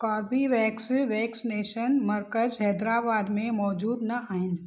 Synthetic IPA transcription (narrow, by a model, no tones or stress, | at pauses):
kɔːɾbiʋɛːksiʋɛːksineːʃənməɾkəd͡ʒɦɛːd̪ɾaːbaːd̪mẽmɔːd͡ʒuːd̪nɐaːɪn